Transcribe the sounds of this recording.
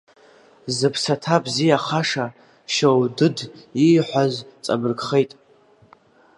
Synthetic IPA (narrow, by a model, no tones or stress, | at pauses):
zɨpʰsatʰabzijaχaʂa | ʃowdɨdiːħʷazt͡sʼa̰bɨrkχejtʼ